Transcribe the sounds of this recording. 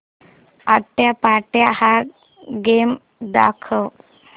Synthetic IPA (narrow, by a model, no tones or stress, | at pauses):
ət̪ːjapaʈjaha | ɡem | d̪a̰kʰəw